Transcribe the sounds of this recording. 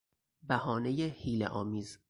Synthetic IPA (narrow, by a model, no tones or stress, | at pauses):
bæhɒːnejehiːlḛʔɒːmiːz